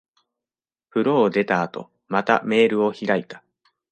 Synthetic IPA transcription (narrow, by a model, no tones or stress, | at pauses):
ɸɯ̟ɾo̞ːd̪e̞t̪aːt̪o̞̰ | mat̪a̰me̞ːɾɯ̟o̞çiɾait̪ḁ